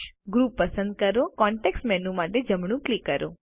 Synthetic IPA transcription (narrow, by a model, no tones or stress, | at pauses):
ɡɾupːəsənd̪̚kəɾokɔɳʈeksʈmɛnũmaʈed͡ʒəmɳ̃ũklikːəɾo̰